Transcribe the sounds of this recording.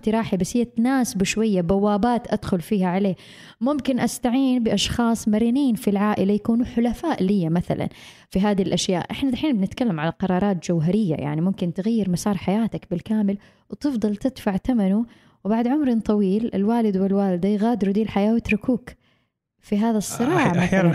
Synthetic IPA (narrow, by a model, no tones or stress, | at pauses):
t̪iɾˤɑːħibashiːat̪naːsɪbʃwajːabawːaːbaːt̪ʔad̪̥xʊlfiːhaʕaleː | mʊmkɪnʔast̪aʕiːnbɪʔɑʃxɑːsˤmaɾiːniːnfilʕaːʔɪlajakuːnuħʊlafaːʔlijːamaθa̰la̰n | fiɦaːðilʔaʃja̰ːʔʔɪħnalaħiːnbɪnɪt̪kalːamʕalaqɑɾˤɑːɾˤɑːt̪̚d͡ʒawɦaɾɪjːa̰ja̰ʕnimʊmkɪnt̪ɪɣajːɪɾmɑsɑːɾˤħajaːt̪akbɪlkaːmɪl | wt̪ɨfd̪ˤɨlt̪ɪd̪faʕt̪amanu | wbaʕd̪ʕʊmɾɪnt̪ˤɑwiːlɪ̰lwaːlɪd̪wɪlwaːlɪd̪ajɣaːd̪ɪɾud̪iːlħajaːwɪt̪ɾʊkuːk | fiɦaːðasˤːɨɾˤɑːʕmaθala